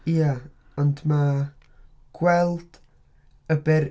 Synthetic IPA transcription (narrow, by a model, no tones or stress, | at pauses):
ia | ɔndma | ɡ̥wɛlˠd̥ | əbɛɾ